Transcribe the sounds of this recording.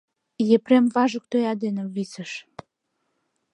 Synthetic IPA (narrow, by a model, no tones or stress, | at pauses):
jepɾemβɑʒə̆k̚t̪øjɑd̪eneβisə̆ʃ